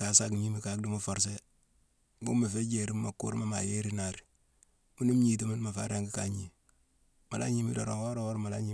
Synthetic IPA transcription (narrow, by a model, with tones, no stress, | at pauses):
ka˨sa˦kɲi˦mi˨ka˨k̚du˦mu˦fo˨ɾs̬e˦ | ɡṵ˦me˨fe˦d͡ʒe˨ɾi˦mma˨kṵ˦ɾma˦ma˨je˦ɾi˦na˨ɾi˨ | mu˦nu˦m˦ɲi˨t̬i˦mi˦n˦ma˨fa̰˦ɾa˦ŋɡi˦ka˨ɲi˨ | ma˨la̰˦ɲi˦mi˦do˨ɾo˨o˦ɾo˦wo˦ɾma˨la˦ɲi˦